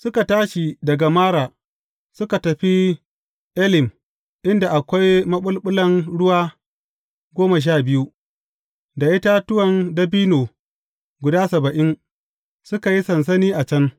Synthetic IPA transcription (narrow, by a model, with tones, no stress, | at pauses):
sʊ˦ka˨taː˦ʃi˨dɐ˨ɡa˨maː˦ɽaː˨ | sʊ˦ka˨tɐ˨ɸi˦ | ʔɛ˦lɪ˨m | ʔɪ˦nda˨ʔa˨kʷa˦jmɐ˦ɓʊ˦lɓʊ˦lɐ˦ŋɽʊ˦waː˦ | ɡʷoː˦ma˨ʃ̬aː˦˨bɪ˦ju˦ | da˨ʔɪ˦ta˦tʊ˦wɐ˨ndɐ˦biː˦noː˨ | ɡʷʊ˨daː˦sɐ˨bɐ˨ʔɪ˦ŋ | sʊ˦ka˨ji˦sɐ˨ns̬ɐ˦niː˦ʔa˨t͡ʃɐ˦n